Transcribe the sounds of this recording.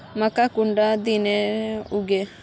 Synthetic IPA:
mɐkakuɳɖad̪ineuɡe

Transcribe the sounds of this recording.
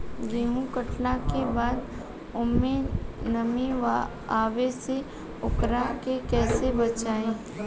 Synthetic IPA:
d͡ʒeːɦũkəʈlakebaːd̪ | ʊmːenɐmẽʋ | aːʋese | ʊkɾakekɛːsebɐt͡ʃaːẽː

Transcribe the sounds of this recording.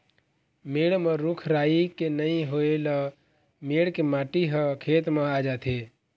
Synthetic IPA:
meːɽmə̃ɾʊkʰɾaːikenəĩɦoelə | meːɽkemaːʈiɦəkʰeːt̪mẽad͡ʒaːt̪ʰe

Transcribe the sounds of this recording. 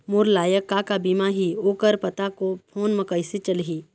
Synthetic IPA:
moːɾlaːjəkːakabiːmaɦioːkəɾpɐt̪akopʰoːnməkəɪsit͡ʃəlɦiː

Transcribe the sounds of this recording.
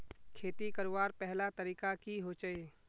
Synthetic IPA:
kʰeːt̪ikəɾʋaːɾpɛɦlat̪əɾiːkakiɦot͡ʃəeː

